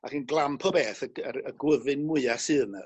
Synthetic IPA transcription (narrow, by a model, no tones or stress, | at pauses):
akənɡlˠampʰɔbeːθəərəɡwəvɨnmʊɨasɨnə